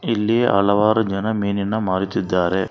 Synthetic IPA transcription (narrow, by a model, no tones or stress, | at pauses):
ilːieʔɐ̰lɐʋaːɾɐd͡ʒɐnɐmiːninɐmaːɾit̪id̪ːaːɾe